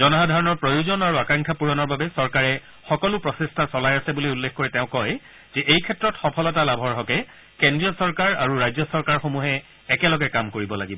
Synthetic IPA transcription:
zɔnɔɦadʱaɹɔnɔɹpɹojuzɔnaɹuakãŋkʰapuɹɔnɔɹbabɛsɔɹkaɹɛ | xɔkɔlupɹɔsestʰasɔlajasɛbuliulːexkːoɹɛtɛʊ̃kɔj | z̥ɛʔejkʰɛtːɹɔtxɔpʰɔlɔtalabʱɔɹɦɔkɛ | kendɹiɔsɔɹkaɹaɹuɹajzɔsɔɹkaɹxomuɦɛː | kɛlɔɡɛkamkoɹibɔlaɡibɔ

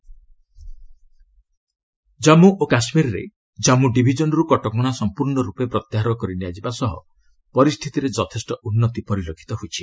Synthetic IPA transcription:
d͡ʒamuʔokasmiɾɾḛ | d͡ʒamuɖibʱid͡ʒɔnɔɾukɔʈɔkɔɽ̃asɔmpuɾɳɔɾupepɾɔt̪jaɦaɾɔkɔɾiniad͡ʒibasɔɦɔ̰ | pɔɾist̪ʰit̪iɾed͡ʒɔt̪ʰesʈɔʔunːɔt̪ipɔɾilokʰi̥t̪ɔɦut͡ʃʰi

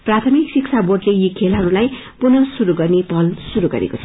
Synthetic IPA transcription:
prat̪ʰʌmiksiksʰaborɖlejikʰelɦʌɾulaj | punʌsuɾuɡʌrnepʌlsuɾuɡʌ̰ɾḛkot͡sʰʌ

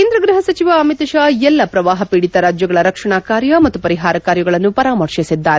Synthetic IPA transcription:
kend̪ɾɐɡɾiɦɐsɐt͡ʃiʋaːmit̪ɐʃaːɛlːɐpɾɐʋaːɦɐpiɽit̪ɐɾaːd͡ʒjɐɡɐɭɐɾɐkʂɐɳaːkaːɾjɐmɐt̪ːupɐɾiɦaːɾɐkaːɾjɐɡɐɭɐnːupɐɾaːmɐɾʂisid̪ːaːɾe

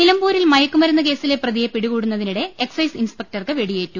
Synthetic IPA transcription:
nilɐmbuːɾilmɐjɐkːumɐɾunːɐke̞ːsile̞prɐðijepiɽuɣuːɽunːɐðiniɽe̞eksɐjsinspek̚ʈɐrkɨʋe̞ɽijeːtːu

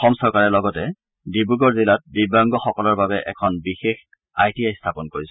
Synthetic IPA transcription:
xɔmsɔɹkaɹɛlɔɡɔtɛ | dibuɡɔɹzilat̚bibaŋɡɔxɔkɔlɔɹbabɛʔɛ̰kʰɔnbixex | ajtiajstʰapɔnkoɹisɛ

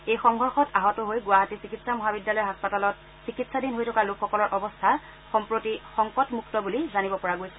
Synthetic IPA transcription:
ejxɔŋɦɔɹxɔtaɦɔtɔɦojɡʊaɦatisikitsamɔɦabidjalɔjɦaspatalɔt | sikitsadinɦojtʰɔkalukʰːɔkɔlɔɹʔɔbɔstʰa | xɔmpɹotixɔŋkɔtmuktɔbulizanibɔpɔɹaɡojsɛ

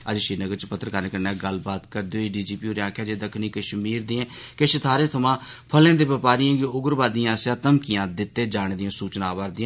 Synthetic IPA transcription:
əd͡ʒʃiːnəɡəɾt͡ʃpət̪ːəɾkaːɾnekəɾnɛ̃ːɡəlbaːt̪kəɾd̪eoːeːɖiːd͡ʒiːpiːoːɾãːkʰaːd͡ʒeːd̪əkʰniːkəʃmiːɾd̪iɛ̃ːkeʃət̪ʰaːɾẽːt̪ʰəmãːpʰəlẽːd̪eːʋɪpaːɾijãːɡoʊɡəɾbaːd̪ijãːsaːt̪əmkijãːd̪ɪt̪ːeːd͡ʒaːɳd̪ɪjãːsuːt͡ʃnãːʋəːɾd̪ɪ̃ːãː

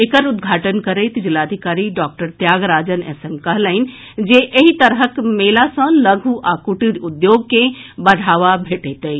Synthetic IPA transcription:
ekəɾud̪ɡʱaʈənkəɾəɪt̪d͡ʒilad̪ʱikaɾiɖɔk̚ʈəɾt̪jaɡɾad͡ʒənɛ̰sɛmkəɦləɪn̆ | d͡ʒeʔeɦit̪əɾɦəkmelasə̃ləɡʱuʔakuʈiɾud̪joɡkẽbəɽʱaʋabʱeʈət̪əj

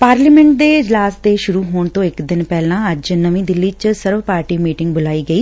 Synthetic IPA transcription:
paːɾliːmɛ̃ɳʈ̚d̪eːɪd͡ʒlaːsd̪eːʃʊɾuːɦoːɳt̪õːɪkd̪ɪnpɛːlãːəd͡ʒnəʋĩːd̪ɪlːiːt͡ʃsəɾʋpaːɾʈiːmiːʈɪ̃ŋɡbʊlaːiːɡəiː

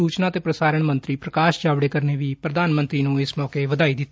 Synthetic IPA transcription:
uːt͡ʃnaːt̪eːpɾəsaːɾəɳmə̃nt̪ɾiːpɾəkaːʃd͡ʒaːʋɽeːkəɾneːʋiːpɾəd̪aːnmənt̪ɾiːnũːɪsmɔːkeːʋəd̪aːiːd̪ɪt̪ː

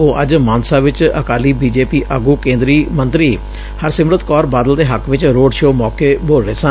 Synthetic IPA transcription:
oːʔəd͡ʒmãːnsaːʋɪt͡ʃə̰kaːliːbiːd͡ʒeːpiːʔəɡuːkẽːnd̪ɾiːmənt̪ɾiː | həɾsɪmɾət̪kɔːɾbaːd̪əld̪eːɦəkʋɪt͡ʃɾoːɖʃoːmɔːkeːboːleːsə

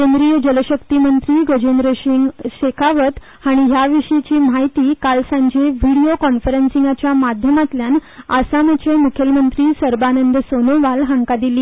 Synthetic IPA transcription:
kend̪ɾijəd͡ʑələɕəkt̪imənt̪ɾiːɡəd͡ʑend̪ɾəɕiɕekʰaʋət̪ | haɽ̃iɦjaʋiʂit͡ɕiːm̤aɦjt̪iːkalsãɲd͡ʑeʋiɽiokɔnfəɾənsĩŋɡat͡ɕjamad̪ʱjəmat̪ljanasamət͡ɕʰemukʰəlmənt̪ɾiːsəɾbanənd̪sonoʋalɦaŋkad̪iliː

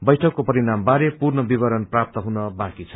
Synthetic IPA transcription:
bʌjʈʰʌkːopʌɾinambaɾepurnʌbibʌɾʌnprap̚t̪ʌɦunʌbakit͡sʰʌ̥

